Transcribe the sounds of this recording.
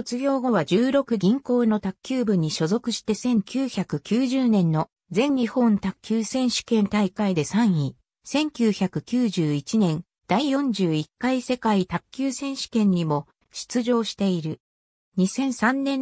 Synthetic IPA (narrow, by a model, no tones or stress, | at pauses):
ot͡sɨɡʲo̞ːɡo̞βad͡ʑɨːɾo̞kɯ̟ɡʲĩŋko̞ːno̞t̪akʲːɨːbɯ̟ɲ̟ːiɕo̞zo̞kɯ̟ɕi̥t̪e̞sẽ̞ŋkʲɨːçakɯ̟kʲɨːʑɨːnẽ̞nːo̞ | d͡zẽ̞ɲɲihõ̞nt̪akʲːɨːsẽ̞ɰ̃ɕi̥kẽ̞nt̪aikaid̪e̞sãɰ̃i | sẽ̞ŋkʲɨːçakɯ̟kʲɨːʑɨːit͡ɕinẽ̞n | d̪̥aijõ̞ɲ̟d͡ʑɨːikːaise̞kait̪akʲːɨːsẽ̞ɰ̃ɕi̥kẽ̞ɲ̟ːimo̞ | ɕi̥t͡sɨʑo̞ːɕi̥t̪e̞iɾɯ̟ | ɲ̟isẽ̞ɰ̃sãnːẽ̞